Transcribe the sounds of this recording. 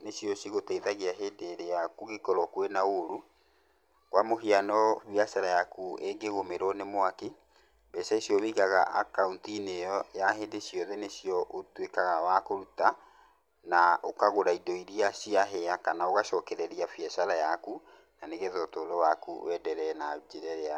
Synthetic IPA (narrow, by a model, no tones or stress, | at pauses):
nesiɔsiɣotaiðaɣeaɦeːdeːɾeakuɣekɔɾɔkwɛnaoɾu | kwamoɦianɔβiasaɾajakueŋɡeɣomeɾɔnemwaki | bɛsaisjɔβiːɣaɣaʔakauntinejɔjaɦeːndesjɔðɛnesiɔʔotwekaɣawakoɾuta | naokaɣoɾaidɔiɾiasiaɦɛakanaoɣaʃɔkɛɾɛɾiafjɛʃaɾajaku | naneɣɛðɔtoːɾɔwakṵwɛdɛɾɛnad͡ʑeɾɛɾea